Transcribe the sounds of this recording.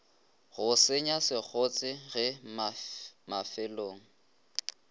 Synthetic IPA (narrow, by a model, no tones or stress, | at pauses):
ɣʊsɪɲasɪk͡xʰot͡sʼɪɣɪ | mafɪloːŋ̩